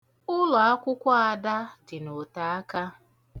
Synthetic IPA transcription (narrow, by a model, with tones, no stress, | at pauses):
ʊ˦lɔ˨a˦kʷʊ˦kʷa˦a˨da˦dɪ˨no˨ta˨a˦ka˦